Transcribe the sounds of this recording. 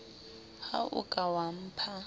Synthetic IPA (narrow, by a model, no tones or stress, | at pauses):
ha̰ʔʊ̰kʼawam̩pʰa